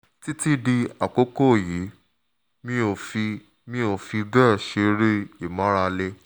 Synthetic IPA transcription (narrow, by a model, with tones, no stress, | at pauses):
ti˦ti˦di˧a˨ko˦ko˦˨ji˨˦ | mĩ˦o˧fi˧ | mĩ˦o˧fi˧dɛ˦˨ʃe˧ɾe˦i˨mã˨˦ɾa˧le˦